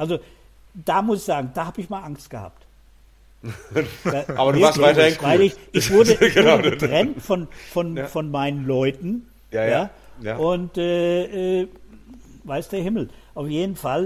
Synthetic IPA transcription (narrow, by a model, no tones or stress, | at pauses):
ʔalzo | d̥aːmʊsɪçz̥aːɡŋ̩d̥aːhaːbəɪçmaːlʔaŋstɡ̥əha̰ːp̚t | aːʔaːbɐduːvaasvɪtɐhɪnkʰvaɪlɪçʔɪçv̥ʊɐdəɡəətʁ̥ɛntfɔnfɔnfɔnmaɪnənlɔʏtn̩ | jaː | ʔʊntɛːʔɛː | vaɪstd̥eːɐɦɪml̩ʔaʊfjeːdn̩fal